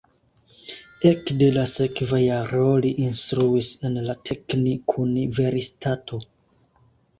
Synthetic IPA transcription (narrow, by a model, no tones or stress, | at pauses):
e̞kde̞lase̞kvajaɾoliʔinstɾuise̞nlatʰe̞knikʰunive̞ɾistʰatʰo̞